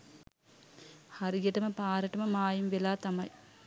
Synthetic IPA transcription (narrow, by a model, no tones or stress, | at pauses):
hɐɾiɡeʈɐməpaːɾəʈɐməmaːjimʋelaːt̪ɐmɐj